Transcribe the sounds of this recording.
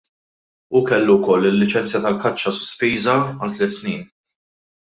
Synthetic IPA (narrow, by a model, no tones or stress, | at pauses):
ukɛlːukɔlːɪlːɪt͡ʃɛnt͡sjɐt̪ɐlkɐt͡ʃːɐsʊ̥spiːzɐɐlt̪lɛt̪sniːn